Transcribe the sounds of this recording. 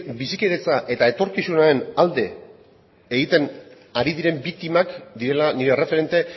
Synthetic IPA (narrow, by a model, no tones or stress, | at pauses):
bisikeɾet͡saʔe̞t̪ae̞t̪o̞ɾkisunae̞nald̪e̞ː | ɣit̪e̞n | aɾiðiɾe̞mbik̚t̪imakd̪iɾe̞laniɾere̞fe̞ɾe̞nt̪e̞